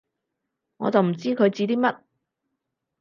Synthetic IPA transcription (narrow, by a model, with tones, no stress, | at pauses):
ŋɔ̰ː˨˧t͡sɐ˨wm̩˨˩t͡siː˥kʰɵ˨˧ɥt͡siː˧t̪iː˥mɐ˥t̚